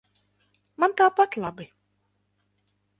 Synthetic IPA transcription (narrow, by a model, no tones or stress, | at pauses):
mant̪aːpat̪lˠabɪ